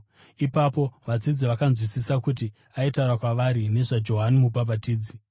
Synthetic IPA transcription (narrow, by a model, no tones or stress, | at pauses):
ipapo̞ʋad͡zid͡ziʋakanzwisisakuti | aitaurakwaʋaɾine̞ʐad͡ʒo̞ɦanimup̬ap̬atiːd͡zi